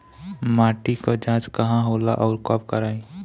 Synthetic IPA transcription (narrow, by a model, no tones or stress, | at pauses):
maːʈikod͡ʒãːt͡ʃkɐɦãɦoːla̰ʔɔʊɾkɔp̚kəɾaːĩ